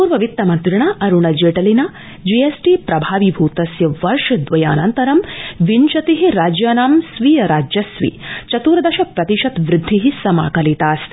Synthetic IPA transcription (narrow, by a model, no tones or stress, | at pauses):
puːɾʋɐʋit̪ːɐmɐnt̪ɾɪɳɐʔɐɾuɳɐd͡ʒeːʈɐlinɐ | d͡ʒiːesʈiːpɾɐbʱaːʋibʱuːt̪ɐsjɐʋɐɾʂɐd̪ʋɐja̰ːnɐnt̪ɐɾɐmʋinʃɐt̪iɦiɾaːd͡ʒjaːnaːmsʋiːjɐɾaːd͡ʒjɐsʋḭt͡ʃɐt̪uːɾɐd̪ɐʃɐpɾɐt̪iʃɐt̪ʋɾɪd̪ʱːiɦisɐma̰ːkɐlit̪aːs